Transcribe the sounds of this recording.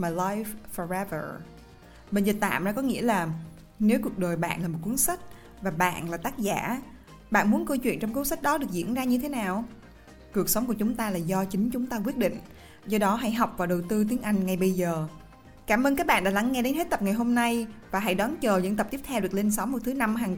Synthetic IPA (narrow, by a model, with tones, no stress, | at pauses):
maː˨˩laː˧jvfɔ˨˩ɹɛ˧˦və̰˧˩ | ɓe˧nzi˨˩t̚t̪a̰ː˧˨mza̰˧kɔ˨˦ŋḭ˧˥əlaː˨˩ | ne˨˦wku˨˩ək̚ɗo˨˩jɓa̰ː˧˨nlaː˨˩mo˨˩t̚ku˨˦ənsa˦˥k̟̚ | vaː˨˩ɓa̰ː˧˨nlaː˨˩t̪aː˦˥k̚za̰ː˧˩˨ | ɓa̰ː˧˨nmu˨˦ənkə˧wt͡ɕwḭ˧˨ənt͡ɕɔ˧wŋ͡mku˨˦nsa˦˥k̚ɗɔ˨˦ɗɨ˨˩ək̚zḭ˧˨ənzaː˧ɲɨ˧t̪ʰe˨˦naː˨˩w | ku˨˩ək̚sə˨˦wŋ͡mku˧˩ət͡ɕʊ˨˦ŋ͡mt̪aː˧laː˨˩zɔ˧t͡ɕï˨˦ŋ̟t͡ɕʊ˨˦ŋ͡mt̪aː˧k̬wi˦˥ət̚ɗḭ̈˧˨ŋ̟ | zɔ˧ɗɔ˨˦ɦa̰˧˥jɦa˨˩wk͡p̚vaː˨˩wɗə˨˩wt̪ɨ˧t̪i˨˦əŋʔa˧jŋ̟ŋa˨˩jɓə˧jzəː˨˩ | kaː˧˩mʔəː˧nkaː˦˥k̚ɓa̰˧˨ɗaː˧˥la˨˦ŋːɛ˧ɗe˨˦nɦe˦˥t̚t̪ə˨˩p̚ŋa˨˩jɦo˧mna˧jvaː˨˩ɦa̰˧˥jɗɔ˨˦nt͡ɕəː˨˩zə̰˧˥nt̪ə˨˩p̚t̪i˦˥ət̪ʰɛ˧wɗɨ˨˩ək̚le˧nsə˨˦wŋ͡mmo˨˩t̚t̪ʰna˧mɦaː˨˩ŋ